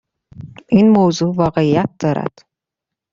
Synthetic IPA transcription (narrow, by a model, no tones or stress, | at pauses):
ʔinmozuːvɒːɣe̞ijæt̪̚d̪̥ɒːɾæ̰d̪̥